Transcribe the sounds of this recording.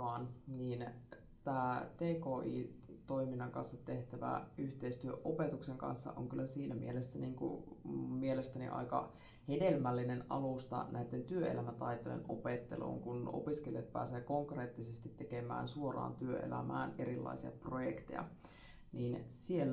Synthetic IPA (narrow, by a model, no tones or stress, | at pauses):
ɑːnniːn | t̪æːt̪eːkoːʔiːt̪o̞iminːɑŋkɑnsːɑt̪e̞ht̪æʋæ̰yht̪eist̪yøʔope̞t̪ukseŋkɑ̰nsːɑ̰ʔo̰ŋkylːæsiːnæmḭelesːæniːŋkṵmielest̪ænḭʔɑ̰ikɑ̰ | hede̞lmælːinenɑlust̪ɑ̰nʔæit̪ːent̪yøḛlæmæt̪ɑjt̪ojenʔopet̪ːelo̰ːŋkuno̞̰piskelijɑt̪̚pæ̰ːseːko̞ŋkre̞ːt̪ːisest̪it̪ːekemæ̰ːnsuorɑ̰ːnt̪yøʔḛlæ̰mæːne̞ɾilːɑ̰isiɑ̰projekt̪ejɑ̰ | niːnsielː